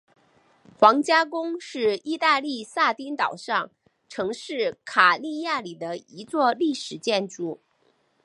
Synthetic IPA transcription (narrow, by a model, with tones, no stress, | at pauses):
xwɑ˧˥ŋt͡ɕja˥kʊ˥ŋʂɻ̩˥˧i˥˧t̪a˥˧li˥˧sa˥˩t̪i˥nt̪ɑ˨˩ʊʂɑ˥˩ŋ | ʈ͡ʂʰɤ˧˥ŋʂɻ̩˥˩kʰa˨˩li˥˧ja˥˩li˨˩d̪ə˦i˧˥t͡swɔ˥˧li˥˩ʂɻ̩˨˩t͡ɕjɛ˥˧nʈ͡ʂu˥˩